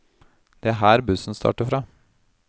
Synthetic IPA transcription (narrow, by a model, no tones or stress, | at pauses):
d̪̥ɛæɦæːɾbʉsn̩st̪ʰɑ̰ːʈəfɾɑː